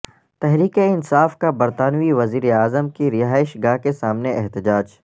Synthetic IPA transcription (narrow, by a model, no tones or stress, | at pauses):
t̪ɛɦɾiːkeɪnsaːfkabɐɾt̪aːnʋiʋɐziːɾeaːzəmkiɾɪɦaːɪʃɡaːɦkesaːmneʔɛɦt̪ɪd͡ʒaːd͡ʒ